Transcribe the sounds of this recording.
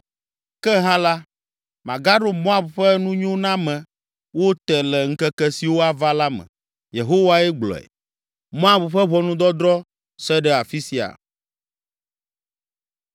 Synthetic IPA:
kɛ˦ɦã˦la˦ | mã˨ɡa˦ɖo˨mɔ̃˦a˨bɸɛ˦nũ˦ɲõ˦nã˦mɛ̃˨ | wo˦t̪ɛ˨lɛ˨ŋ̩˦kɛ˦kɛ˦si˨wo˦a˨va˦la˦mɛ̰̃˨ | je˨ɦo˦wa˦ɛ˦ɡ͡blɔ̰˨ɛ̰˨ | mɔ̃˦a˦˨bɸɛ˦βɔ˦nũ˦d̪ɔ˦d̪ɾɔ˦ | sɛ˦ɖɛ˦a˨fi˦si˨a̰˨

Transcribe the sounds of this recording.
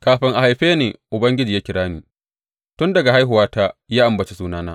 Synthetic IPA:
kaː˨ɸɪ˦ŋʔa˨ha˨jɸeː˦neː˨ʔʊ˨bɐ˦ŋɡʲɪ˦d͡ʒiː˨jaː˦kʲɪ˨ɽaː˦niː˨ | tʊ˦ndɐ˨ɡa˨ɦa˦jɦʊ˨waː˦taː˦jaː˦ʔa˨mbɐ˨t͡ʃi˦suː˦naː˦naː˦

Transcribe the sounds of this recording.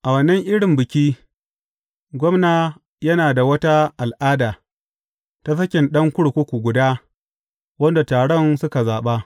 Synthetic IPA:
ʔa˨wɐ˨nɛ˦ŋʔɪ˦ɽɪ˨mbɪ˨kʲiː˦ | ɡʷɔ˦mnaː˨ | jɐ˦naː˨da˨wɐ˦ta˦ʔa˨lʔaː˦daː˨ | ta˦s̬ɐ˦kʲɪ˨nɗɐ˦ŋkʷʊ˦ɽkʷʊ˦kʷu˨ɡʷʊ˨daː˦ | wɐ˦nda˨taː˨ɽɔ˦nsʊ˦ka˨zaː˨ɓa˦

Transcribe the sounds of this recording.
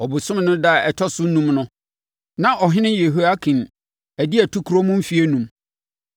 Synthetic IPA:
ɔ˨bʊ˨sʊ̃˦m˨nʊ̃˦da˦˨ɛ˨tʰɔ˦sʊ˦n˦nũ˦mnʊ̃˦ | nã˦ʔɔ˨ɦɪ̃˦nɪ̃˦je˨ɦu˦a˦kʰĩ˨n | æ˨dɪ˦ɛ˨tʰu˦kʰu˨ɾo˦mʊ̃˦m̩˦fi˨˦e˦nũ˨m

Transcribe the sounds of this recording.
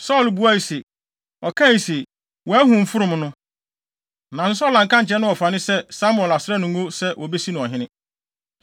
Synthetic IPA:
sɔ˦˨lbu˨˦a˦i˨se˨ | ɔ˨kʰã˦i˨se˨ | wɔ˨æ˦hũ˨m̩˦fʊ˦ɾʊ̃˨m˨nʊ̃˦ | nã˨n̩˦s̬ɔ˦lã˨ŋ̩˨kã˦ɲ̩˨t͡ɕʰɛ˦nʊ̃˦ɔ˨fa˨nɪ̃˦sɛ˦sa˦mʊ˨ɛ˨la˨sɪ˦ɾɛ˦nũ˨ŋo˦sɛ˦wʔɔ˨be˦si˦nʊ̃˨ɔ˨ɦɪ̃˦nɪ̃˦

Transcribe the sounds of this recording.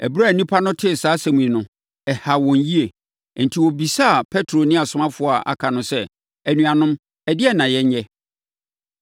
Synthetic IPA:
ɛ̰˨bɾa˦˨nĩ˦pʰa˦nʊ̃˦tʰɪ˦˨saː˨˦sæ˨mũ˨ĩ˨nʊ̃˨ | ɛ˨ha˨wɔ̃˨nji˦e˨ | n̩˨tʰi˨wɔ˨bi˨sa˦˨pʰɛ˦tʰɾo˨nɪ̃˦a˨sʊ˨˦mã˦fʊ˨˦a˨ʔa̰˨kʰa˨nʊ̃˦sɛ˦ | ɛ˨nũ˨ã˨nʊ̃˦m | ɛ˨dɪ˦ɛ˦nã˨jɛ˦ɲɲɛ˦

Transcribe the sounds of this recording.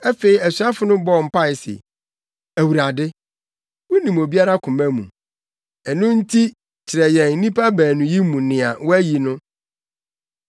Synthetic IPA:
æ˦fe˨i˨æ˨su˨˦a˦fʊ˨˦nʊ̃˦bɔ˦˨m̩˨pʰa˦ɪ˨sɛ̰˨ | æ˨wu˨ɾa˨dɪ˦ | wʊ˦nĩ˨mo˨bi˦a˦ɾa˦kʰʊ̃˨mæ̃˦mṵ̃˨ | ɛ˨nʊ̃˦n̩˦tʰi˦ | t͡ɕʰɪ˨ɾɛ˨jɛ̃˨n̩˦nĩ˦pa˦bæː˨nʊ̃˨ji˦mũ˨nɪ̃˨a˨wɔ˦æ˦ji˨nʊ̃˦

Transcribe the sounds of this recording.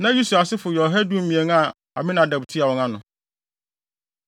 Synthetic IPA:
nã˦ju˦su˨a˨sɪ˦fʊ˨jɔ˨ɦɛ˦du˦m̩˦mĩ˨e˨ŋ˦a˨ | a̰˨mɪ̃˦nã˨da˨btʰi˦a˨wɔ̃˨ŋã˦nʊ̃˨

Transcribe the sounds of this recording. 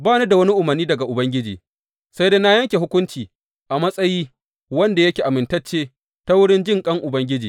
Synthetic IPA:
baː˦ne˦da˨wɐ˦ni˦ʔʊ˨mɐ˨rnːiː˦dɐ˨ɡa˨ʔʊ˨bɐ˦ŋɡʲɪ˦d͡ʒḭː˨ | sa˦jdeː˦na˦jɐ˦ŋkʲe˨ɦʊ˦kʷʊ˦nt͡ʃiː˨ | ʔa˨mɐ˦sʼɐ˦jiː˦ | wɐ˦nda˨jɐ˦kʲeː˨ʔa˨mɪ˨ntɐ˦t͡ʃːeː˦ | ta˦wʊ˦ɽɪ˦nd͡ʒɪ˦ŋkʼɐ˦ŋʔʊ˨bɐ˦ŋɡʲɪ˦d͡ʒiː˨

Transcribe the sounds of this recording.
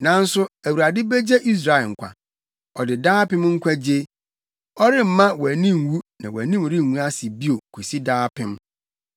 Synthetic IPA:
nã˨n̩˦sʊ˦æ˨wu˨ɾa˨dɪ˦be˦d͡ʑe˦ʔi˦s̬ɾa˨ɪ˨ŋ̩˨kʷʰa̰˨ | ɔ˨dɪ˨daː˦pɪ̃˦m˦ŋ̩˦kʷʰa˦d͡ʑe˦ | ɔ˦ɾɪ˦m̩˨mã˦wæ˨nĩ˦˨m˨wu˦nã̰˨wæ̰˨nĩ˦m˨ɾɪ˦˨nũ˦a˦sɪ˨bi˦o˨kʰu˨si˦daː˦pʰɪ̃˦m

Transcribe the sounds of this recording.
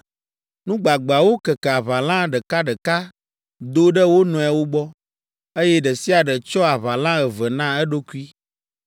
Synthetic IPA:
nũ˦ɡ͡ba˨ɡ͡ba˨wo˦kə˨kɛ˨a˨βa˨lã˦ɖə˨ka˦ɖə˨ka˦ | d̪o˦ɖə˦wo˦nɔ̃˨ɛ˨wo˦ɡ͡bɔ˦ | e˦jɛ˦ɖə˨si˦a˨ɖə˨t͡ʃɔ˦a˨βa˨lã˦ɛ˨və˨nã˦ɛ˦ɖo˦ku˦i˦

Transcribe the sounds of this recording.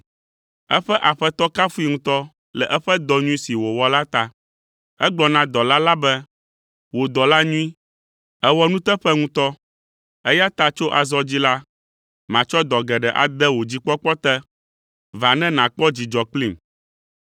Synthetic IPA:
ɛ˦ɸɛ˦ʔa˨ɸɛ˦t̪ɔ˦ka˦fu˦i˦ŋũ˦t̪ɔ˦ | lɛ˨ʔɛ˦ɸɛ˦d̪ɔ˨ɲũ˦i˦si˨wo˨wɔ˦la˦t̪a˨ | ɛ˦ɡ͡blɔ˨nã˦d̪ɔ˨la˦la˦bɛ˦ | wo˨d̪ɔ˨la˦ɲũ˦i˦ | ɛ˦wɔ˦nũ˦t̪ɛ˦ɸɛ˦ŋũ˦t̪ɔ˦ | ɛ˦ja˦t̪a˨t͡ʃo˦ʔa˨zɔ˦d͡ʑi˦la˦ | mã˨t͡ʃɔ˦d̪ɔ˨ɡɛ˨ɖɛ˨ʔa̰˨d̪ɛ˦wo˨d͡ʑi˦k͡pɔ˦k͡pɔ˦t̪ɛ˦ | va˨nɛ̃˦nã˨k͡pɔ˦d͡ʑi˨d͡ʒɔ˨kli˦˨m

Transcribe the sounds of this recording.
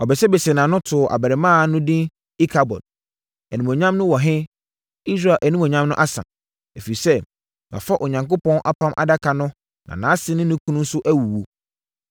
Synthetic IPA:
ɔ˨bɛ˨sɛ˦bɛ˨sɛ˨nãː˨nʊ̃˦tʰʊ˨ʔa̰˨bæ˨ɾɛ˨mãː˦nʊ̃˦dĩ˦n | i˦kʰa˨bɔ̰˨d̚ | æ˨nĩ˨mõ˨ɲã˦mnʊ̃˦wɔ˨ɦɪ̃˦ | i˦s̬ɾa˨ʔæ˨nĩ˦mõ˨ɲã˦mnʊ̃˦ʔa˦sã̰˨ | æ˨fi˨i˨sɛ˦ | na̰˨fa˦ʔɔ˨ɲã˨ŋko˦pɔ̃˦nʔa˦pʰã˦mʔa̰˨da˦kʰa˨nʊ̃˦ | nã̰˨nã˨˦sɪ˦nɪ̃˦nɪ̃˦kʰũ˦nʊ̃˦n̩˦sʊ˦ʔæ˦wu˨wu˨

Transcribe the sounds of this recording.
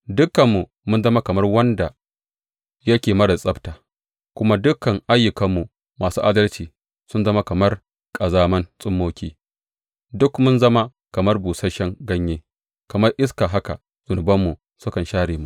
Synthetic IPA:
dʊ˦kɐ˨mːu˨ | mʊ˦nzɐ˦ma˦kɐ˨mɐ˦rwɐ˦nda˨ | jɐ˦kʲeː˨mɐ˦ɽɐ˨sʼɐ˦btaː˨ | kʷʊ˦ma˦dʊ˦kɐ˨ŋʔa˦jːʊ˨kɐ˦mːu˨ | maː˨suː˦ʔa˦dɐ˦lt͡ʃiː˨ | sʊ˦nzɐ˦ma˦kɐ˨mɐ˦r | kʼɐ˨zaː˦mɐ˦nsʼʊ˦mːoː˦kʲiː˦ | dʊ˦kmʊ˦nzɐ˦ma˦ | kɐ˨mɐ˦rbuː˨sɐ˦ʃɛ˦ŋɡɐ˦ɲjeː˦ | kɐ˨mɐ˦rʔɪ˦skaː˨ɦa˦ka̰˨ | z̥ʊ˨nʊ˨bɐ˦mːu˨ | sʊ˦kɐ˨nʃaː˦ɽeː˨mu˨ʔ

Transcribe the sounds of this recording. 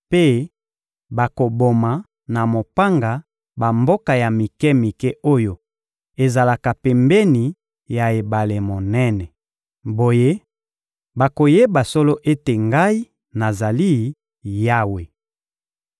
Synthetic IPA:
pe˦ | ba˨ko˨bo˨ma˨ | na˨mo˨pa˦ŋɡa˨ | ba˨mbo˦ka˨ja˨mi˨kɛ˦mi˨kɛ˦ʔo˦jo˨ | e˨za˨la˨ka˨pɛ˨mbɛ˦ni˨ | ja˨e˨ba˨le˨mo˨nɛ˦nɛ˨ | bo˨je˦ | ba˨ko˨je˦ba˨so˦lo˦ʔe˦te˨ŋɡa˦i˦ | na˨za˨li˦ | ja˦we˨

